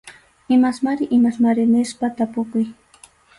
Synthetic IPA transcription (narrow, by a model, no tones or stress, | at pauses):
ɪmasmaɾɪʔɪmasmaɾɪnɪspat̪apʊkʊj